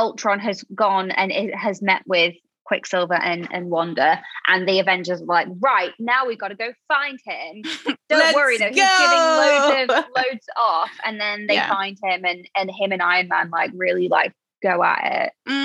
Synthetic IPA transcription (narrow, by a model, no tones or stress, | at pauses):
ɔlˠtʰɹ̥ɒ̃nəzɡɒ̃nə̰̃nɪəzmɛʔwɪð̥ | kʰw̥ɪksɪlˠvə˞ʔə̃nə̰̃nwɒ̃ndə˞ʔə̃nðiəvɛ̃nd͡ʒə˞zəlaɪkɹaɪʔnaʊwivɡɒɾəɡoʊfãɪ̃nd̥̚ɪ̃md̥õʊ̃ʔwʌɹiɨnoʊizɡɛɾɪ̃ŋloʊəvloʊdz̥ɔfə̰̃nðə̃nðeɪfãɪ̃nd̥̚ɪ̃mə̃nə̃nɪ̃mə̃naɪə̃nmã̰nlaɪkɹɪlila̰ɪk̚ | ɡ̥oʊə̰ʔɪ̰t